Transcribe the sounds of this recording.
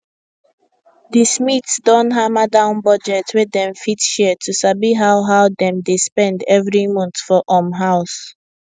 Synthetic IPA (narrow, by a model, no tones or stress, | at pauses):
dismitsdɔ̃nɦamadãʊ̃nbɔd͡ʒɛtwedɛ̃mfitʃɛtʰusabiɦaʊɦaʊdɛ̃mdespɛ̃ndɛvɹimɔ̃nθfɔʔɔ̃mɦaʊs